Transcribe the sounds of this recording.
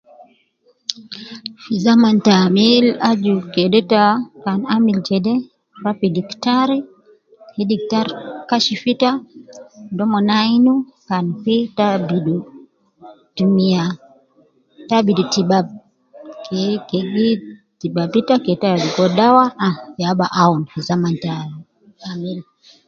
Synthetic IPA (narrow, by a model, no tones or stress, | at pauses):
fizamantamilad͡ʒukɛdɛtakanamilt͡ʃɛdɛ | ɾapidiktaɾi | hɛdik̚taɾkaʃifita | dɔmɔnajnukanfitabidu | tumia | tabidutibab̚ | kɛkɛɡitibabitakɛtalikɔɗawaajabaʔaunhizamantali | amil